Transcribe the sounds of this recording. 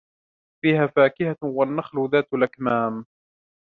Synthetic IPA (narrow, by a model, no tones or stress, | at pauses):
fiːhaːfaːkɪhawanːaxlʊðaːt̪ʊlakmaːm